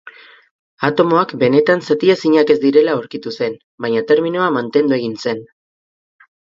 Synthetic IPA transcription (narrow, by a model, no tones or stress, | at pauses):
at̪o̞mo̞akbe̞ne̞t̪ansat̪iesiɲake̞zd̪iɾe̞laowɾkit̪use̞n | baɲat̪e̞ɾmino̞amant̪e̞nd̪ue̞ɣ̞inse̞n